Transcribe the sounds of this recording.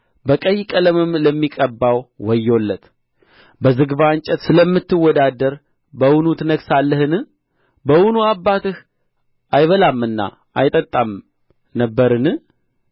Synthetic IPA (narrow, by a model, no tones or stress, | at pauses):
bəkʼəjkʼələmɨmləmːikʼəbːawwɔjːo̞lːət̪ | bəzɨɡbant͡ʃʼət̪sɨləmːɨt̪ːɨwːɔd̪ad̪ːəɾ | bəwʊnut̪ʰɨnəɡsalːəhɨnɨ | bəwʊnuabːat̪ɨh | ʔajβəlamːɨnːa̰ | ʔa̰jt̪ʼət̪ʼːam | nəbːəɾɨnɨ